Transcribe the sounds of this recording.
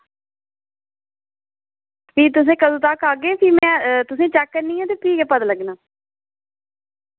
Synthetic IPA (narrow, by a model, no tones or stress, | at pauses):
pʰiːt̪ʊsẽːkəd̪õːt̪akaːɡeːpʰiːmɛ̃ːt̪ʊsẽːt͡ʃɛːkːəɾniːõːt̪eːpʰiːkɛːpəd̪ləɡnaː